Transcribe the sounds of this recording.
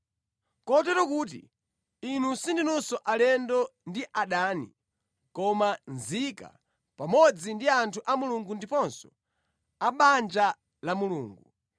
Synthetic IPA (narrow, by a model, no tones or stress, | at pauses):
kɔtɛɾɔkuːt̬ḭ | inusindinusɔʔalɛndɔndiʔaɗaːnḭ | kɔmanzika̰ | pamɔd͡zindiantʰuʔamuluŋɡundipɔnsɔ̥ | aɓand͡ʒa | lamuluːŋɡu